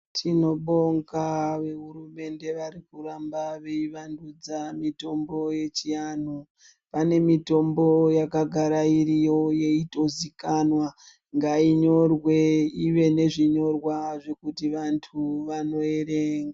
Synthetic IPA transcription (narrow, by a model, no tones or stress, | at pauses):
tʰino̞ɓo̞ŋkaʋe̞ɦuɾume̞nde̞ʋarikuɾambaʋe̞iʋandud͡zamito̞mbo̞je̞t͡ʃijan̤u | pane̞mito̞mbo̞jakaɡʱaɾaiɾijo̞je̞ito̞zikanwa | ŋɡaiɲo̞rwe̞iʋe̞ne̞ʐiɲo̞rwaʐe̞kutiʋantʰuʋano̞e̞ɾeːŋɡa